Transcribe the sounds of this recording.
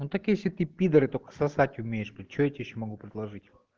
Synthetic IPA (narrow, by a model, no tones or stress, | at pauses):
nut̪akjesʲlʲɪt̪ɨpʲid̪əɾɨt̪okə̥sɐsatʲʊmʲejɪʂp̪ʲt̚ʲt͡ɕoet̪ʲɪjiɕːomɐɡupɾʲɪd̪lˠɐʐɨtʲ